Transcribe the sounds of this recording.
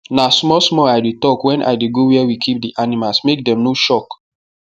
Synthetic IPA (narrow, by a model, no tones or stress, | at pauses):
nasmɔsmɔaɪdetɔkwɛ̃nʔa̰ɪdeɡowiɛwikʰip̚diʔanimalsmek̚dɛ̃mnoʃɔk